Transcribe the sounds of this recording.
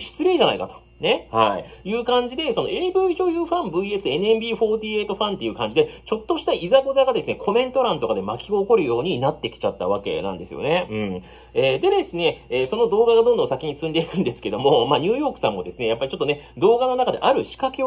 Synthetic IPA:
ɕi̥t͡sɨɾe̞ːʑana̰ikat̪o̞̥ | ne̞haijɯ̟ːkãɲ̟d͡ʑid̪e̞so̞no̞e̞ːbɯ̟ːiʑo̞ːjɯːɸãmbɯie̞sɨe̞nɯ̟embʲiːɸo̞ːd̪ʲiːe̞ːt̪o̞ɸãnt̪e̞jɯ̟ːkãɲ̟d͡ʑid̪e̞t͡ɕo̞t̪ːo̞ɕi̥t̪aizaɡo̞zaɡad̪e̞sɨne̞kʰo̞mẽ̞nt̪o̞ɾãnt̪o̞kad̪e̞makʲiɡoːko̞ɾɯ̟jo̞ːɲ̟inat̪ːe̞kʲi̥t͡ɕat̪ːa̰βake̞̰nã̰nd̪e̞sɨ̰jo̰ne̞ɯ̟̃ɴ | eːd̪e̞d̪e̞sɨne̞eːso̞no̞d̪o̞ːɡaɡad̪ond̪õ̞s̬akʲiɲ̟isɨ̃nd̪e̞ikɯ̟̃nd̪e̞sɨ̥ke̞d̪o̞mo̞maːɲ̟ɨːjo̞ːkɯ̟sãmːo̞d̪e̞sɨne̞japːaɾʲit͡ɕot̪ːo̞ne̞d̪o̞ːɡano̞nakad̪e̞̰ʔaɾɯ̟ɕi̥kake

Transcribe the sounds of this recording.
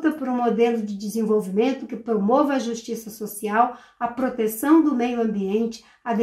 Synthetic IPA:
t̪ɐpoɾũmod̪elʊd͡ʒɪd͡ʒɪzẽvowvimẽnt̪ʊkɪpɾomovɪɐʒuʃt͡ʃisɐsosiaw | ɐpɾot̪esɐ̃w̃d̪ʊmejʊɐ̃mbiẽnt͡ʃɪ | ɐd̪

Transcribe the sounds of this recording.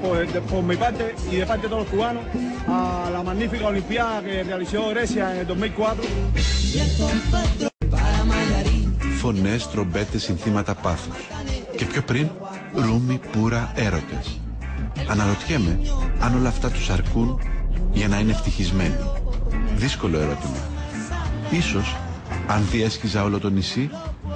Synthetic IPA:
p̪pomepaɾt̪eiðepaɾt̪et̪olokuano | alamanːifikaolimpjaðakerealisoɣɾesjaed̪oɦmilkwat̪ɾo | fo̞ne̞st̪ɾo̞mbe̞t̪e̞sinθimɐt̪ɐpɐθusce̞pço̞pɾin | ɾumipuɾɐe̞ɾo̞t̪e̞s | ɐnɐɾo̞t̪çe̞me̞ɐno̞lɐːft̪ɐt̪u̥sɐɾkunʝɐnɐine̞ft̪içizme̞noðisko̞lo̞e̞ɾo̞t̪imɐ̰ | iso̞s | ɐnðie̞sçizɐo̞lot̪o̞nisi

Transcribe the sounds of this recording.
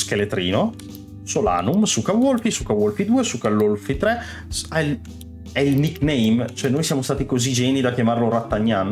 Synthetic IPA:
skelet̪ɾḭːno | sola̰ːnumsukawolfisukːawolfid̪uːesukalːolfit̪ɾɛ | ɛ | ɛilniknejmt͡ʃoɛnːoːjsjaːmost̪aːt̪ikozid͡ʒɛːnid̪akjamarlorat̪ːaɲːan

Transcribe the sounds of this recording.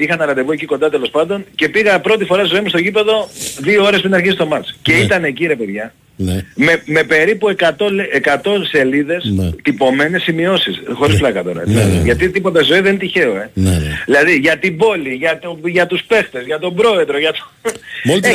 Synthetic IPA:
ixɐnɐɾɐd̪e̞voeciko̞nd̪ɐt̪elo̞spɐnd̪o̞nce̞piɣɐpɾo̞t̪ifo̞ɾɐst̪izo̞imust̪o̞cipe̞ðo̞ðioo̞ɾespɾinɐɾçisist̪o̞mɐt͡sce̞it̪ɐne̞ciɾe̞pe̞ðʝɐ | nmeme̞pe̞ɾipue̞kɐt̪o̞lʔekɐt̪o̞se̞liðe̞st̪ipo̞me̞ne̞sːimio̞sisxo̞ɾisplɐkɐt̪o̞ɾɐ̰t̪ileʝɐt̪it̪ipo̞t̪ɐsizo̞iðent̪içe̞o̞e̞ðilɐðiʝɐt̪ibo̞liʝɐt̪oʝɐt̪uspe̞xt̪e̞zʝɐt̪o̞bɾo̞e̞ðɾoʝɐt̪o̥mol

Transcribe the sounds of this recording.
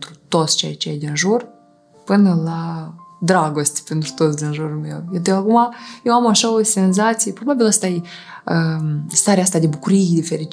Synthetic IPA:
t̪ɾut̪o̞t̪sʲt͡ʃḛjt͡ʃeejd̪inʒur | pɨnəlad̪ɾaɡo̞st̪ʲpent̪ɾu̥t̪o̞t̪sʲd̪inʒuɾume̞̰wjed̪eakumajewamaʃaosʲe̞nzat̪sijepɾo̞babiləst̪ajeəst̪aɾeast̪ad̪ebukuɾijd̪efeɾi

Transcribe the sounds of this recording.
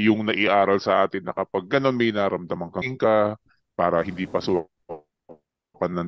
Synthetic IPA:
jʊŋnɐʔɪʔaːɾɐlsɐʔaːt̪ɪnːɐ̰kɐpɐɡ̚ːɐno̞nmɐjnaɾɐmd̪ɐmɐŋkɐŋka | paːɾɐhɪnd̪iːpɐsʊ | kɐnːɐn

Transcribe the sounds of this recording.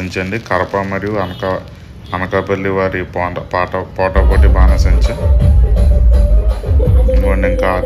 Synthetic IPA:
ɐɲt͡ʃɐɳɖikɐɾɐpɐmɐɾijuɐnɐkɐ | ɐnɐkɐpɐlːiʋaːɾipɔːɐpaːʈɐpɔːʈɐpoːʈibaːnɐsɐɲt͡ʃɐ | ŋɡoːɳiŋkaː

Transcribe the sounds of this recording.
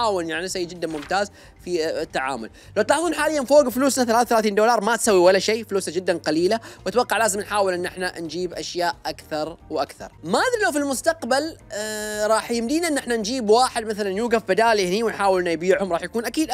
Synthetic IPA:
aːwɪljaʕninsajːd͡ʒɪd̪ːanmʊmt̪aːz | fiɪt̪ːaʕa̰ːmʊ̰l | lawt̪lɑːħðˤuːnħaːlɪjːanfoːɡfluːsnaθalaːθaθalaːθiːnd̪oːlɑːɾˤmat̪sawːiwalːaʃeːfluːsad͡ʒɪd̪ːanqɑliːlawʔat̪wɑqːɑʕlaːzɪmnħaːwɪlʔɪnːʔɪħnand͡ʒiːbʔaʃjaːʔʔakθɑɾˤwʔakθɑ̰ɾˤmaːðɾilawfilmʊst̪aqbal | ɾˤɑːħjɪmd̪iːnaʔɪnːʔɪħnand͡ʒiːbwaːħɪd̪maθalanjuːɡafbɪd̪aːlihniwɪnħaːwɪlnajbiːʕhʊmɾˤɑːħjakuːnʔakiːd̪

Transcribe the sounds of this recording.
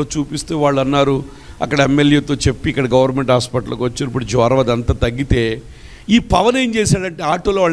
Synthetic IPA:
oːt͡ʃuːpist̪eːʋaːɭːɐnːaːɾu | ɐ̰kːɐɽɐemːeljeːt̪oːt͡ʃe̞pːiːkːɐɽɐɡɐʋɐɾnmeɳʈaːspɐʈɐlɐkʋɐt͡ʃːiaːnɐp̬ːuɽud͡ʒɔːɾɐʋɐːd̪ɐnt̪aːt̪ɐɡːit̪e̞ː | iːpɐʋɐne̞ːnt͡ʃeːsaːɽɐɳʈe̞ːaːʈːoːloːʋaːɭ

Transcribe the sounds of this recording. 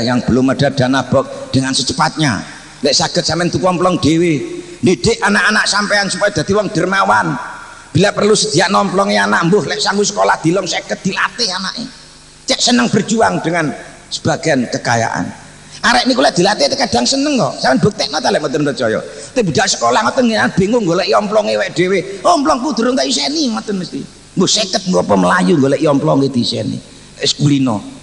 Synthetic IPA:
jaŋb̥əlʊmːəɖ̥ad̥aʔnab̥ɔk̚d̥əŋansət͡ʃəpat̪̚ɲa̰ | lɛʔsaɡ̥ət̪sampɛnt̪ukɔmplɔŋɖ̥ewe | ndiɖ̥ɪʔanaʔanaʔsampeansupajɔd̥̪a̤t̪iwɔŋd̥ərmawan | b̥ilapərlusəd̪̥iaʔnɔmplɔŋeanaʔmbʊhlɛʔsaŋɡusə̥kolahd̪̥ilɔŋseɡət̪̚d̪̥ila̰t̪ɪɦanaʔḛ | t͡ʃɛʔsənəŋb̥ərd͡ʒuaŋd̥əŋan | sə̥b̥a̤ɡ̥a̤nkəka̰ja̰ʔa̰n | aɾɛʔnik̬ulɛʔd̪̥ilat̪et̪ekaɖ̥a̤ŋsənəŋt̪ɔ̰ʔsaənbok̚t̪ɛʔnɔt̪alɛʔmət̪ənpərt͡ʃɔjɔ̰t̪eʔbi̤d̥aʔsə̥kolahŋɔt̪ənŋɡinanb̥e̤ŋʊŋɡolɛʔjɔmplɔŋewɛʔɖ̥eweɔmplɔŋkud̪̥ṳɾʊŋk̪ajusɛniŋɔt̪ənməst̪ḭ | mbʊhsɛkət̪̚muɔpɔməlajuŋɡolɛʔjɔmplɔŋed̪̥isɛ̰nḭ | skulinɔ̰

